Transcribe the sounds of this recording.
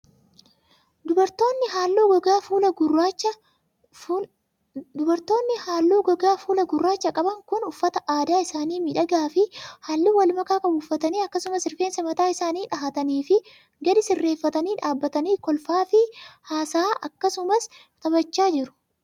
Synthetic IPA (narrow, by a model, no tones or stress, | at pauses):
d̪bɐɾt̪oːnːɪɦaːlːuːɡɔɡaːfuːlɐɡʊrat͡ʃːɐ | d̪ʊbɐɾt̪o̞ːnːɪhaːlːuːɡɐɡaːfuːlɐɡʊrːaːt͡ʃːɐkʼɐbɐŋkʊnʊfːɐt̪ɐʔaːd̪aːɪsaːniːmɪᶑɐɡaːfɪhaːlːiwɐlmɐkaːkɐbuːfɐt̪ɐniːɐkːɐsʊmɐsɪɾfeːnsɐmɐt̪aːɪsaːniːᶑɐɦɐt̪ɐniːfɪ | ɡɐd̪ɪsɪrːe̞ːfːɐt̪ɐniːᶑaːbːɐt̪ɐniːkɔlfaːfɪhaːsaːʔɐkːɐsʊmɐs | t̪ʼɐbɐt͡ʃːaːd͡ʒɪɾʊ̥